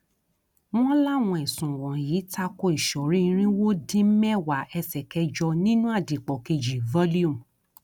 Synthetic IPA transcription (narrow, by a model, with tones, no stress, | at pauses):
w̃ɔ̃˦la˦˨w̃ɔ̃˧i˨sũ˨wɔ̃˨jiː˨˦ta˧ko˧i˨ʃɔ˨ɾĩ˦ĩ˧˦ɾ̃ĩ˦wo˦dĩ˦mɛ˦wa˨ɛ˧sɛ˨kɛ˧˦d͡ʒɔ˧nĩ˦nũ˦a˦˨di˨k͡pɔ˨ke˧d͡ʒi˨vɔ˦li˦u˦˨